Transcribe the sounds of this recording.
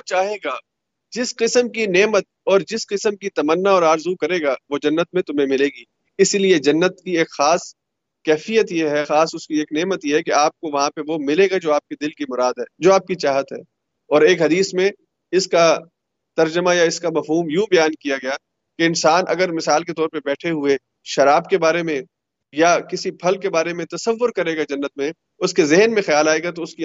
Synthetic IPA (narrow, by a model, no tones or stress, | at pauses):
ot͡ʃaːɦeːɡaː | d͡ʒɪsqɪsəmkineːmət̪̚ɔːɾd͡ʒɪsqɪsəmkit̪ɐmənːaɔːɾaːɾzukɐɾeːɡaːʋod͡ʒɐnːət̪̚mẽt̪ʊmɦẽmɪleːɡiː | ɪslied͡ʒɐnːət̪kieːkxaːs | kɛːfijət̪jeɦɛxaːsʊskieːkneːmət̪jeɦɛkeaːp̚koʋɐɦãpeʋomɪleːɡad͡ʒoːaːp̚ked̪ɪlkimʊɾaːd̪ɦɛːd͡ʒoːaːp̚kit͡ʃaːɦət̪ɦɛ̰ː | ɔːɾeːkɦɐd̪iːsmẽ | ɪska | t̪ɐɾd͡ʒəmajaɪskamɐfɦuːmjũbɐjaːnkijaɡɐja | keɪnsaːnʔɐ̰ɡəɾmɪsaːlk̬et̪ɔːɾpebɛːʈʰeɦʊe | ʃɐɾaːbkebaːɾemẽ | jakɪsipʰɐlkebaːɾemẽt̪ɐsəʋːʊɾkɐɾeːɡad͡ʒɐnːət̪̚mẽ | ʊskezɪɦnmẽxɐjaːlaːeɡat̪̬oʊski